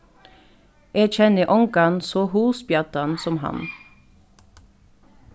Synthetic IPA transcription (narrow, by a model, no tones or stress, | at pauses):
ʔeːc͡çɛnəʔɔŋkɑnsoːhuːsbjɑt̪ɑnsɔmhɑ̰n